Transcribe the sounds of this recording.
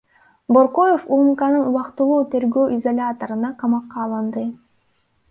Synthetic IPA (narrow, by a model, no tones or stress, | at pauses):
boɾqo̞jefumkɑnɯnuwɑqt̪ulˠuːt̪e̞ɾɡøːʔizolʲat̪oɾɯnɑqʰɑmɑqːɑːlˠɑnd̪ɯ